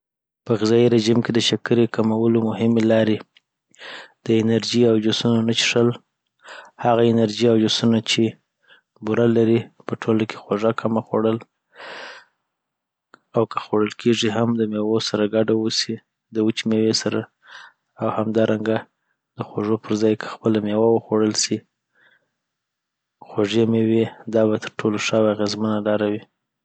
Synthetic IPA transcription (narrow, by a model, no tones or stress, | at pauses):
pəɣɪzɑjiɾeʒimked̪əʃakəɾekamawəlomʊɦɪmelɑɾe | d̪̥əɪnaɾd͡ʒiawd͡ʒosunonat͡ʃi̥ʂəl | haɣaɪnaɾd͡ʒiawd͡ʒosunat͡ʃe | buɾalaɾipəʈʰolakʰe̥xoʐakʰːamaxo̰ɽəl | awkə̥xoɽəlkʰeʐiɦamd̪əmewosaɾaɡaɖawusi | d̪əwət͡ʃimewesaɾa | awhamd̪ɑɾʔaŋɡa | d̪əxoʐopʰəɾzɑjkʰə̥xpəlamewawəxoɽəlsi | xoʐemewid̪ɑβat̪əɾʈʰoloʂawaaɣezmənalɑɾawi